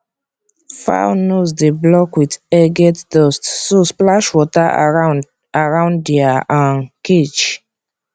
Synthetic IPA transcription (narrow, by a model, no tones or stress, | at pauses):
fa̰nos̬deblɔkwidɛɡɛtdɔstsosplaʃwɔta | aɹãʊ̃ndiaʔãnket͡ʃ